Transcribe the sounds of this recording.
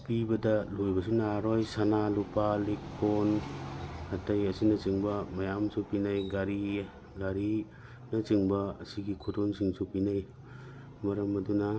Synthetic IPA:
pibɐdɐlojbɐsunaɾojsanalupalik̚pon | hɐtɐjɐsinɐt͡ʃiŋbɐmɐjamsupinajɡaɾi | ɡaɾi | nɐt͡ʃiŋbɐːsiɡikʰotonsiŋsupinaj | mɐɾɐmɐdunɐ

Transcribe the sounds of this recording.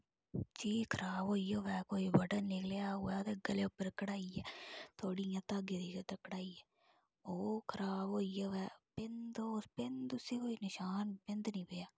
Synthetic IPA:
t͡ʃiːkʰəɾaːboːiːjoːʋɛːkoːiːbəʈənɪkljaːoɛːt̪eːɡəleːʊpːəɾkəɽaːiːɛːt̪ʰoːɽijãːt̪aːɡed̪iːket̪əkəɽaːiːɛː | oːkʰəɾaːboːiːjoːʋɛːpɪnd̪ospɪnd̪ʊsiːkoːiːnɪʃaːnpɪnd̪nĩːpejaː

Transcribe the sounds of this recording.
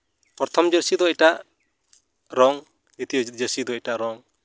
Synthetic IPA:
pɔɾt̪ʰɔmd͡ʒɛɾsid̪ɔɛʈaʔ | ɾɔŋ | it̪iɔd͡ʒɛɾsid̪ɔɛʈaʔɾɔŋ

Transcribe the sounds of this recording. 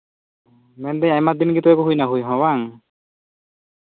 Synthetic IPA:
mɛnd̪ɛjajmad̪inɡit̪ɔjakuɦujnaɦujɦɔ̃waŋ

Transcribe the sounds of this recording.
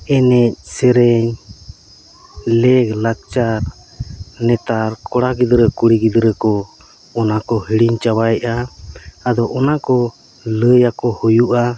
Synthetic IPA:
ɛnɛc̚ˀsɛɾɛɲ | lɛɡlak̚t͡ʃaɾ | nɛt̪aɾkɔɽaɡid̪ɾəkuɽiɡid̪ɾəkɔ | ɔnakɔhiɽiɲt͡ʃawajaː | d̪ɔʔɔnakɔ | ləjakɔhujuʔa

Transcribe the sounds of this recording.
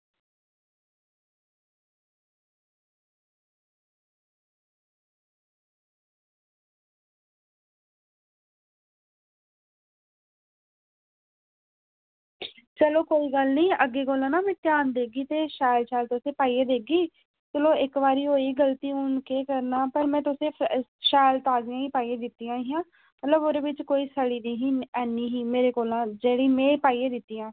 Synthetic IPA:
t͡ʃəloːkoːiːɡəlniːʔəɡːeːkoːlãːnaːmɛ̃ːt̪jaːnd̪eːɡiːt̪eːʃaːjlʃaːlt̪ʊsẽːpaːiːeːd̪eːɡiː | t͡ʃəloːɪkʋaːɾiːɦoːiːɡəlt̪iːʊnkeːkəɾnaːpəɾmɛ̃ːt̪ʊsẽːʃaːlt̪aːzɪjãːiːpaːiːeːd̪ɪt̪ːijãːiːãː | mət̪ləboːɾeːʋɪt͡ʃkoːiːsəɽiːniːɦiːɛːniːɦiːmeːɾeːkoːlãːd͡ʒeːɽiːmɛ̃ːpaːiːeːd̪ɪt̪ːiːãː

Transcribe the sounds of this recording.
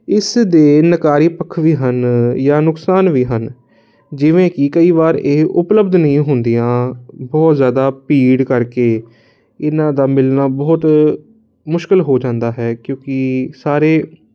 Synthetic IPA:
ɪsd̪eːnəkaːɾiːpəkʰːʋiːɦənjaːnʊksaːnʋiːɦən | d͡ʒɪʋẽːkɪkəiːʋaːɾeːʔʊpləbd̪nəɦĩːɦʊnd̪ijãːbɔːt̪zjaːd̪aːpiːɖkəɾkeː | ɪnãːd̪aːmɪlnaːbɔːt̪ | mʊʃkɪlɦoːd͡ʒãːnd̪aːɦɛːkjõːkɪsaːɾeː

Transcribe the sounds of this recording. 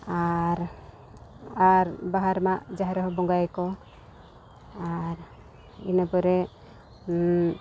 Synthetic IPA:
aɾ | aɾbaɦaɾmaʔd͡ʒaɦɾɔɦɔbɔŋɡajkɔ | aɾ | inapɔɾɛ

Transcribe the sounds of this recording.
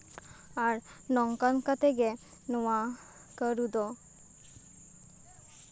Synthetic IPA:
aɾnɔŋkankat̪eɡe | nɔwa | kəɾud̪ɔ

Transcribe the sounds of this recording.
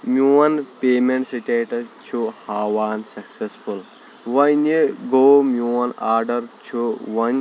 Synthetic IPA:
mʲuɐnpeːmeɳʈsiʈeːʈɐt͡ʃʰuhaːwaːnsɐksespʰul | ʋɐneɡoːmuɐnaːɾɖɐɾt͡ʃʰuwɐn

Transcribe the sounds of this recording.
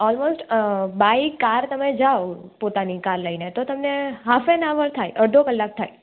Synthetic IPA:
ɔlmosʈbaikaɾt̪əmed͡ʒaopot̪anikaɾləinet̪ot̪əmneɦafenaʋəɾt̪ʰajʔəɽd̪ʱokəlːak̚t̪ʰai

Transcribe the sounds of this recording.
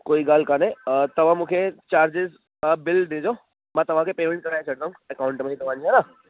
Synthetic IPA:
koːiɡaːlkaneẽt̪ɐʋ̤ãmũkʰet͡ʃaːɾd͡ʒɪz | bɪld̪eːd͡ʒoː | mãːt̪ɐʋ̤ãkepeːmẽɳʈ̚kɐɾaːet͡ʃɐɽd̪aːɦũɐkaːʊ̃ɳʈmẽit̪ɐʋ̤ãd͡ʒiɛ̃na

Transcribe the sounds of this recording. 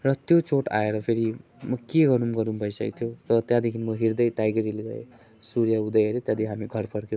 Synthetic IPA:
rʌt̪jot͡soʈa̰eɾʌpʰeɾi | mʌkeɡʌɾumɡʌɾumbʱʌjsʌ̰kt̪ʰijorʌt̪jad̪ikʰinmʌɦiɾd̪ʌjʈ̪ajɡʌɾileɡʌḛ | suɾjaud̪ʌjʌɾet̪jad̪ikʰiɦamiɡʱʌrpʰʌɾkje

